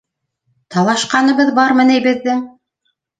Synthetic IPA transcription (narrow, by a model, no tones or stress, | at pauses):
t̪ɑlˠɑʃqɑnɤ̆βɤðbɑɾmɤ̆næjbɘ̆ðːɘŋ